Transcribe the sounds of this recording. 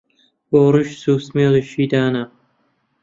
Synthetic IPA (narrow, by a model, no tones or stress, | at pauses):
boːrɨʃsuːsmeːliʃiːd̪aːnɐ